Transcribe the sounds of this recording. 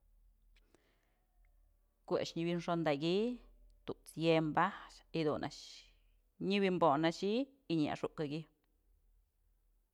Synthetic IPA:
kua̰ʔʂɲibinʂond̪aɡit̪uʔt͡sjembaht͡ʃid̪unʔa̰ʔʃ | ɲiβimbonaʃi | iɲia̰ʂuʔkaɡi

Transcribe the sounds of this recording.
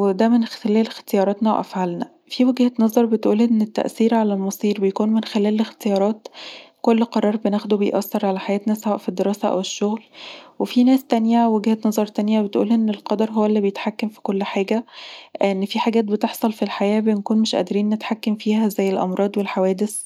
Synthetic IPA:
wed̪æmenxt̪elæːlext̪ejɑːɾˤɑːt̪næwʔæ̰fʕalnæ | fiweɡhænɑzˤɑɾˤbet̪ʔuːlʔenːet̪ːæ̰ʔsiːɾʕalælmɑsˤiːɾbejkuːnmenxelæːlext̪ejɑːɾˤɑːt̪kolːqɑɾˤɑːɾˤbenæxd̪ubejʔɑsːeɾˤʕalæħajæːt̪næsæwæʔfid̪ːeɾɑːsæʔæ̰weʃːoɣlwefinæːst̪ænjæweɡhænɑzˤɑɾˤt̪ænjæbet̪ʔṵːlhæʔenːelqɑd̪ɑɾˤɦowːælːiːbejet̪ħakːæmfi̥kolːħaːɡæ | enːfiħaɡæːt̪̚bet̪eħsˤɑlfilħajæːbenkuːnmeʃʔæ̰d̪ɾiːnːet̪ħakːæmfiːhæzæjːelʔɑ̰mɾˤɑːd̪ˤwelħawæːd̪es

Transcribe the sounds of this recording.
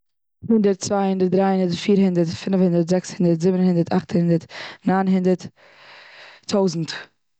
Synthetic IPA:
hɪndəɾtt͡svaɪhɪndəɾt̚dɾaɪhɪndətfiːɾhɪndətfɪnfhɪndəɾtzɛkshɪndəɾtzɪbnhɪndəɾta̰χthɪndəɾtnaːnɦɪndəɾt | tʰːaʊzn̩t

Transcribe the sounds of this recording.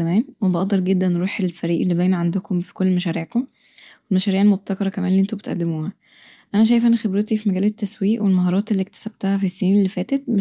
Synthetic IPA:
æmæːnwebɑʔd̪ɑɾˤɡed̪ːænːeɾuːħelfæɾiːʔelːibæːnæʕand̪okʰomfi̥kolːmæʃæːɾiːʕkom | welmæʃæːɾiːʕelmob̚t̪ɑkɑɾˤɑkæmænliʔent̪obet̪ʔæ̰d̪ːemuːhæ | ʔænæʃ̬æːjefʔænæxebɾet̪ifimæɡæːlet̪ːæswiːʔwelmɑɦɑːɾˤɑːt̪elːik̚t̪æ̥sæb̥̚t̪æhæfisːenːnelːifæːt̪et̪̚m

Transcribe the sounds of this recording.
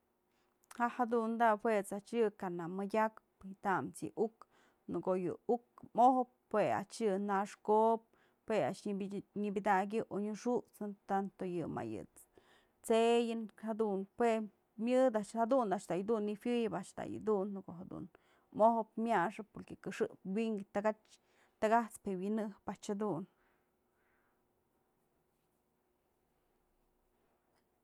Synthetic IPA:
haʔhad̪und̪ahwet͡sat͡ʃjɨkanamɨdʲakpjt̪amt͡sjɨ̰ʔuk | nɨkojɨ̰ukmohop̚ | hwea̰t͡ʃjɨnaʂkop̚ | hwea̰ʔʃɲɨbʲɨd̪aɡʲɨʔoɲɨʂut͡sɨnt̪ant̪ojɨma̰jɨ̰t͡s | t͡sejɨnhad̪unpwe | mʲɨd̪aʔʃhad̪und̪aʔʃd̪ajd̪unːifjɨjɨpaʔʃt̪a̰jɨ̰d̪unːkoʔɦad̪ṵn | mohop̚mʲjaʂɨpoɾkekɨʂɨʔpwiŋɡt̪aɡat͡ʃ | t̪aɡaht͡spewinɨhpaʔt͡ʃhad̪un

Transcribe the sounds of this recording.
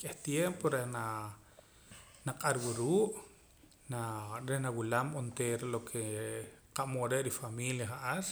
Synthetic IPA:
kʼeht̪jempoɾehna | naqʼaɾwuɾuːʔ | naɾehnawulamont̪eːɾalokʰeqaʔmoɾeʔɾifamiljaχaʔaɾ

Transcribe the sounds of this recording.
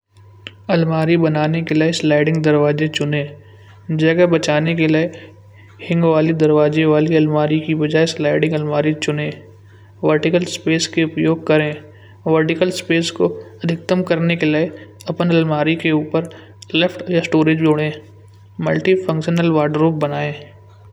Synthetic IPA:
ɐlmaːɾibɐnaːnekeleeslaːɪɖɪ̃ŋɡd̪ɐɾʋaːd͡ʒet͡ʃʊnẽː | d͡ʒɐɡabɐt͡ʃaːnekelie | hɪ̃ŋɡʋaːlid̪ɐɾʋaːd͡ʒeʋaːliɐlmaːɾikibɐd͡ʒaːeslaːɪɖɪ̃ŋɡɐlmaːɾit͡ʃʊnẽː | ʋəɾʈɪkəlspeːskeʊpjoːɡ̚kɐɾẽː | ʋəɾʈɪkəlspeːskoɐd̪ʱɪk̚t̪əmkɐɾnekelɐeɐpənɐlmaːɾikeuːpəɾ | lepʰʈjasʈoːɾɪd͡ʒd͡ʒoːɽẽː | mɐ̰lʈifʰɐ̃ŋkʃənəlʋaːɾɖɾoːp̚bɐnaːẽː

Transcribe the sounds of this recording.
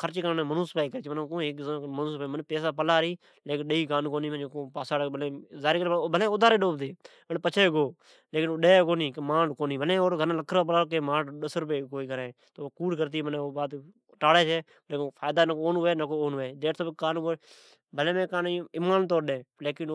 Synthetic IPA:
kʰəɾt͡ʃːkənẽːmənuːspaːiːkəɾit͡ʃːmənkõːeːkzmənuːspaːmənpeːs̬aːp̬əlaːɾiː | leːkɪnɗəiːkaːnkoːniːməd͡ʒkõːpaːsaːɽbəlẽːzaːɾiːkəɾbʱəlẽːod̪aːɾeːɗoːbt̪eː | ənpət͡ʃʰeːɡoː | leːkɪnoːɗeːkoːniːkemaːɽkoːniːbəlẽːoːɾɡʱənãːləkʰːɾaːpəlaːkemaːɽɗəsəɾpeːkoːiːkəɾẽːt̪oːkuːɽkəɾt̪̬iːməneoːbaːt̪ | ʈaːɽeːt͡ʃʰeː | leːkpʰaːjd̪aːnəoːnːeːnakoːoːnːeːɗ̪eːʈt̪ʰoːɪkaːnkoː | bəlẽːmẽːkaːnɪmaːnt̪̬oːɾɗẽːleːkɪn

